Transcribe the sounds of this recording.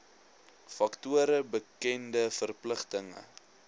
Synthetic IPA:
fɐktuəɾəbəkɛndəfərpləχtəŋə̰

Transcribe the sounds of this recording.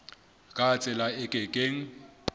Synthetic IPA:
kʼat͡sʼɪlaɪkʼɪkʼeŋ̩

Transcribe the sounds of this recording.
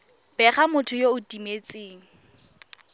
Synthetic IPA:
b̥ɛχamʊtʰʊjoʊdimet͡sʼeːŋ̩

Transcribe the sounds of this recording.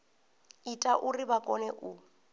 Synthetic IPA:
itʼaʔuribakʼɔnɛʔu

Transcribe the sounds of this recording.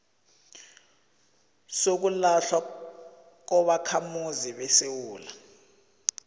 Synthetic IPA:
sok̬ulaɬwa | k̬ɔɓakʰamuziɓɛsewuːla

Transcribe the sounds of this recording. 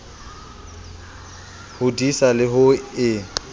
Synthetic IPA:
hʊdisalɪɦʊɪ

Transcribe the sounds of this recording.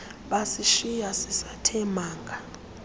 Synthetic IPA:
ɓasiʃijasisatʰɛmaːŋɡʱa

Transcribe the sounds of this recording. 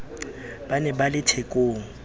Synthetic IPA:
b̥anɛbalɪtʰekʼoːŋ̩

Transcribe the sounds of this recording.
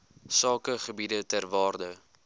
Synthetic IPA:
sɑːkəχəbidətærvɑːrdə

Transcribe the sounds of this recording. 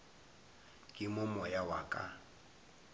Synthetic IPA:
kʼɪmʊmɔjawakʼa̰

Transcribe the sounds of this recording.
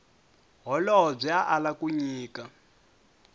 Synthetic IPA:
ɦɔlɔɦɔb͡ʐiaʔalakuɲiːka

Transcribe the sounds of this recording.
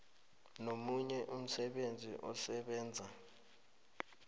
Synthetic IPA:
nomuɲɛʔum̩sɛɓend͡zʱḭʔɔsɛɓɛːnd͡zʱa

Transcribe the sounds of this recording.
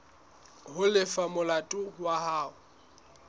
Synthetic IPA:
ɦʊlɪfamʊlatʼʊwaɦaːʊ

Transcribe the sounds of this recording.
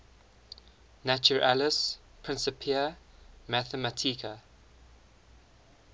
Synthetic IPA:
næt͡ʃuɹʔa̰ləs | pʰɹ̥ɪ̃nsəpʰiəmæθəmətʰikʰə

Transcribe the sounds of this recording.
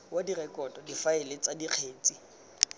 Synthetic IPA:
wadirɛkʼɔtʼɔdifaɪlet͡sadiq͡χʰeːt͡sʼi

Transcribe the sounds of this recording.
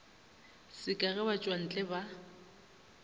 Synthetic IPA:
sɪkʼaɣɛbat͡ʃʼwan̩t͡ɬʼɛba

